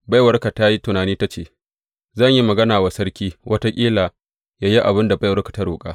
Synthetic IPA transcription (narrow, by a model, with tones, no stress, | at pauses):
ba˦jwɐ˦rka˨ta˦ji˦tʊ˨naː˨niː˦ta˦t͡ʃeː˦˨ | zɐ˦˨ɲji˦mɐ˨ɡɐ˦naː˨waː˨˦sɐ˦ɽkʲiː˦wʔɐ˦ta˦kʲʼiː˦laː˨ | jaː˦ji˦ʔa˨bɪ˦nda˨bjwɐ˦rkḁ˨ta˦ɾoː˨kʼa̰ː˦